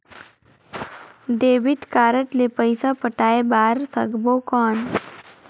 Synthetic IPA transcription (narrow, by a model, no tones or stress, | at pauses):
d̪eːʋɪʈkaːɾəʈlepəjsapəʈaːebaːɾsəɡbokɔːn